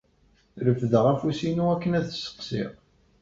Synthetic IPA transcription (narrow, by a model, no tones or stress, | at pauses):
ɾəfðəʁæfusinuækːənæðsə̥qsɪ̰ʁ